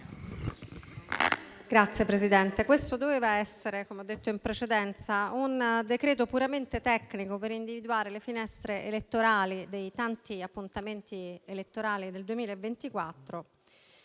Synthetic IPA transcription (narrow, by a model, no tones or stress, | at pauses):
ɡ̥ɾat̪sːjepɾezid̪ɛnt̪ekwest̪od̪oveːvaɛsːeɾekomeɔd̪ːet̪ːoimpɾet͡ʃed̪ɛnt̪saund̪ekɾeːt̪̬opuɾament̪et̪ɛkːnikopeɾind̪ivid̪uaːɾelefinɛst̪ɾeʔelet̪ːoɾaːlid̪ejt̪ant̪iapːunt̪ament̪ielet̪ːoɾaːlid̪eld̪uemiːlaevːent̪ikwat̪ːɾo